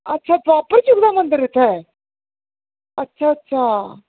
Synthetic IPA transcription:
ɐtːɕʰat̪ʋapəɾt͡ɕukd̪amənd̪əɾit̪ʰe | ɐtːɕʰaɐtːɕʰa

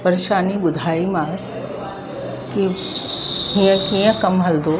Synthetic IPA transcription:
pɐɾeʃaːnibʊd̪ʱaːimaːs | ki | ɦĩə̃kiə̃kɐmɦɐld̪oː

